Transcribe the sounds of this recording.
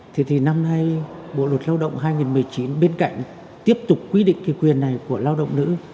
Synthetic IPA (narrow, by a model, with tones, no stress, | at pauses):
t̪ʰe˧˩t̪ʰi˨˩na˧mna˧jɓo̰˧˨lwə˨˩t̚laː˧wɗə̰˧˨wŋ͡mɦaː˧jŋi˨˩nmɨ˨˩əjt͡ɕi˨˦nɓe˧nka̰˧˨jŋ̟ | t̪i˦˥əp̚t̪ʊ˨˩k͡p̚kːwi˧ɗḭ˧˨ŋ̟ki˨˦kwi˨˩ənːa˨˩jku˧˩əlaː˧wɗə̰˧˨wŋ͡mnɨ̰˧˥